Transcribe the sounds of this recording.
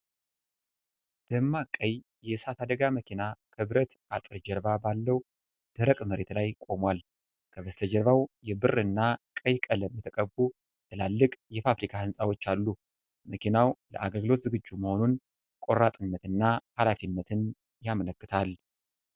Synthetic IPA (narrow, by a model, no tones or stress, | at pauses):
b̪̥əmːakʼːəj | jɛsat̪ʰad̪əɡaməkʰinakʰɨβɾət̪at̪ʼɨɾd͡ʒɛɾβabalːəw | d̪̥əɾəkʼməɾe̞t̪lajkʼo̞mwal | kʰəβəst̪ʰəd͡ʒɛɾβawjɛbɨrɨnːakʼəjkʼələmːɨt̪ʰəkʼəbːu | bɨlalːɨkʼjɛfafɾikʰahɨnsʼawo̞t͡ʃːalːu | məkʰinawlə̰ʔaɡəlɡɨlo̞t̪zɨɡɨd͡ʒːuməho̞nun | kʼo̞rat̪ʼɨnːət̪ɨnːahalafinːət̪ʰɨn | jamələkːɨt̪ʰal